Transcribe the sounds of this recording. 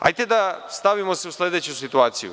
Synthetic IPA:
a̰jt̪ed̪ast̪aʋimo̞seuslʲe̞d̪e̞t͡ɕusit̪uaːt̪sijṵ

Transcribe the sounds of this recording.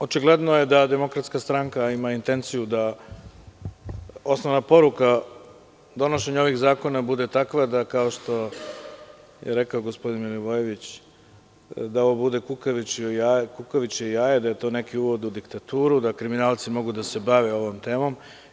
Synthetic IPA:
o̞t͡ʃiɡled̪noje̞d̪ad̪e̞mo̞kɾat̪skast̪ɾaŋkaimaint̪e̞nt̪sijud̪a | o̞snoʋnapo̞ɾuka | d̪o̞no̞ʃe̞ɲaoʋixzaːko̞nabud̪e̞t̪akʋad̪akao̞ʃt̪o̞ | jḛɾekaoɡospo̞d̪inmiluʋojeʋit͡ɕ | d̪aoʋobud̪e̞kukaʋit͡ɕakukoʋit͡ɕeijaːjed̪ajet̪o̞ːne̞kiuːʋo̞d̪ud̪ikt̪at̪uːɾud̪akɾiminaːlˠt̪simo̞ɡud̪ase̞baʋeo̞ʋo̞mt̪e̞ːmo̞m

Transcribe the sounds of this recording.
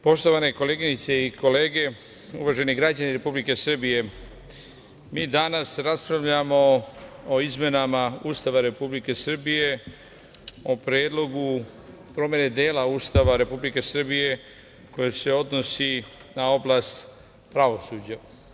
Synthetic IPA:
po̞ʃt̪o̞ʋane̞ko̞leːɡiɲit̪se̞iko̞le̞ːɡe̞ | ṵʋaʒe̞niɡɾad͡ʑaniɾe̞publike̞sr̩bije̞ | miːd̪anasɾaspɾaʋʎamo̞oizme̞namauːst̪aʋaɾe̞publike̞sr̩bije̞ | o̞pɾjeːd̪lˠo̞ɡu | pɾo̞mje̞ne̞d̪eːlauːst̪aʋaɾe̞publike̞sr̩bije̞ | ko̞jese̞o̞d̪nosinao̞blast̪ | pɾaʋo̞suːd͡ʑa

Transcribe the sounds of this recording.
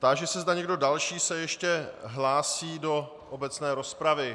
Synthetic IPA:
t̪aʒɛsɛzdaɲɛɡdo̞dalʃiːsɛjɛʃcɛɦlaːsiːdo̞ | ʔobɛt͡snɛːɾo̞spɾavɪ

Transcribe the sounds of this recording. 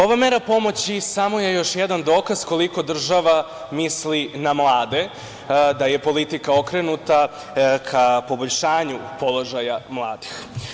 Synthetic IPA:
o̞ʋameːɾapo̞mo̞t͡ɕisamo̞je̞jo̞ʃjed̪and̪o̞ːkaz̥ko̞liko̞d̪r̩ʒaʋa | mislinamlˠaːd̪e̞ | d̪aje̞po̞lit̪ikao̞kɾe̞nut̪a | kʰapo̞boʎʲʃaːɲupo̞lˠo̞ʒajamlˠaːd̪ix

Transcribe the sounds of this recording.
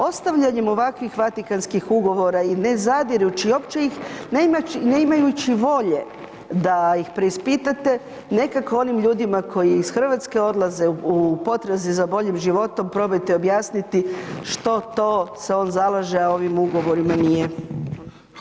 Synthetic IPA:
o̞st̪aʋʎaɲemo̞ʋakʋixʋat̪ikanskixuɡo̞ʋo̞ɾaine̞zad̪iɾut͡ɕio̞pt͡ʃeixnemaineimajut͡ɕiʋo̞ʎe̞ | d̪ajixpɾe̞ispit̪at̪e̞ | ne̞kakoo̞nimʎuːd̪imakʰo̞jiːsxr̩ʋat̪ske̞o̞d̪lˠaze̞uupo̞t̪ɾezizabo̞ʎimʒiʋo̞t̪o̞mpɾo̞bojt̪ɛo̞bjaːsnit̪iʃt̪o̞t̪o̞ːse̞o̞ːnzalˠaʒeao̞ʋimuɡo̞ʋo̞ɾimanije

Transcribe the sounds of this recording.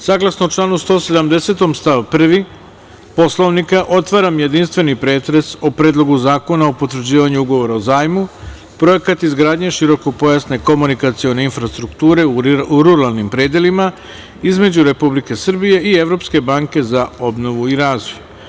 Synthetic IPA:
saːɡlˠasnot͡ʃlˠaːnust̪o̞ːse̞d̪amd̪e̞se̞t̪o̞mst̪aʋpr̩ʋi | po̞sloʋnikaʔo̞t̪ʋaːɾamje̞d̪inst̪ʋe̞nipɾe̞ːt̪ɾe̞sopɾeːd̪lˠo̞ɡuzaːko̞naopo̞t̪ʋɾ̩d͡ʑiːʋaɲuuɡo̞ʋo̞ɾaozaːjmu | pɾo̞je̞kat̪izɡɾaːd̪ɲe̞ʃiɾo̞ko̞po̞jasne̞ko̞munikat̪sio̞ne̞infɾast̪ɾukt̪uːɾe̞uuɾuɾalˠnimpɾe̞ːd̪jelima | izme̞d͡ʑuɾe̞publike̞sr̩bije̞ʔie̞ʋɾo̞pske̞baːŋke̞zao̞bno̞ʋuiɾaːzoju

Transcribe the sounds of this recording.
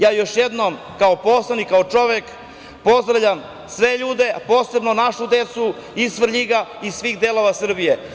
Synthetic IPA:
jaːjo̞ʃjed̪nom | kaoposlˠanikːaot͡ʂo̞ʋek | po̞zd̪ɾavʎam | sʋe̞ʎuːd̪e̞po̞ːse̞bno̞naʃud̪et̪su | isʋr̩ʎiɡaisʋiːɣd̪elo̞ʋasr̩bije

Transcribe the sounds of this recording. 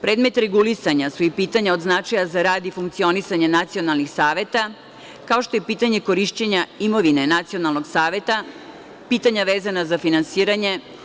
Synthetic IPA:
pɾe̞ːd̪me̞t̪ɾeɡulisaɲasuipiːt̪aɲaod̪znat͡ʃajazaɾaːd̪ifuŋkt̪sio̞nisaɲanat̪sio̞nalˠnixsaːʋe̞t̪a | kao̞ʃt̪o̞jepiːt̪aɲe̞ko̞ɾiʃt͡ɕeɲaimo̞ʋine̞nat̪sio̞nalˠno̞ɡsaːʋe̞t̪a | piːt̪aɲaʋeːzanazafinansiːɾaɲe

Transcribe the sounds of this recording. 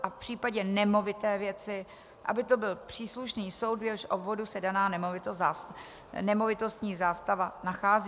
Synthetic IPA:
ʔafpr̝̥iːpaɟɛnɛmo̞vɪt̪ɛːvjɛt͡sɪ | ʔa̰bɪt̪o̞bɪlpr̝̥iːsluʃniːso̞wd̪vjɛlʃʔobvo̞dusɛdanaːnɛmovɪt̪o | nɛmo̞vɪt̪o̞st̪ɲiːzaːst̪avanaxaːzi

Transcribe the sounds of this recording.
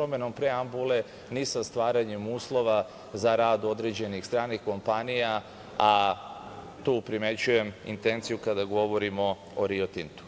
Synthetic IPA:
pɾomeno̞mpɾeambule̞ | nisast̪ʋaːɾaɲemuːslˠo̞ʋa | zaɾaːd̪o̞d̪ɾe̞d͡ʑe̞nixst̪ɾaːnixko̞mpanija | a | t̪uːpɾime̞t͡ɕuje̞mḭnt̪e̞nt̪sijukad̪aɡo̞ʋo̞ɾimo̞ | oɾiot̪int̪u̥

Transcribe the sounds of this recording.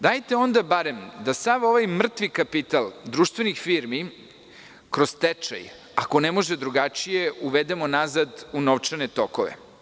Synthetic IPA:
d̪ajt̪eo̞nd̪abaɾe̞md̪asaʋo̞ʋajmr̩t̪ʋikapit̪alˠd̪ɾuːʃt̪vʋe̞nixfiːɾmi | kɾozt̪et͡ʂa̰j | ako̞nɛmo̞ʒed̪ɾuɡat͡ʃije̞uʋed̪emo̞nazad̪unoʋt͡ʃanet̪okoʋḛ

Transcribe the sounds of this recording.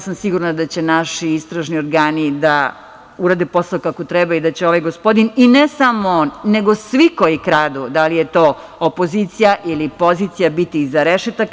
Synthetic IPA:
asamsiɡuɾnad̪at͡ɕe̞naʃiist̪ɾaʒnioɾɡaːnid̪a | uɾaːd̪epo̞saokakot̪ɾɛbaid̪at͡ɕeo̞ʋajɡospo̞d̪ininesamoneɡosʋiko̞jikɾaːd̪ud̪alijet̪o̞ː | opo̞zit̪sijaʔilipo̞zit̪sijabit̪izaɾeʃet̪ak

